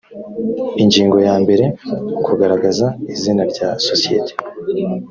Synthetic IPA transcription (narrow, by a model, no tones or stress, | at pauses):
iɲɟiːŋɡo̞jaːmbe̞ɾe̞ukʰuɡaɾaɡazaizinaɾɟaːsosijḛtʰe̥